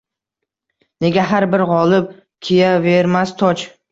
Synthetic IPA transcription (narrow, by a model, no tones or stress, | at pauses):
ne̞ɡʲaɦaɾbɪɾʁɒlˠɪp̚ | kʲʰijave̞ɾmast̪ʰɒt͡ʃ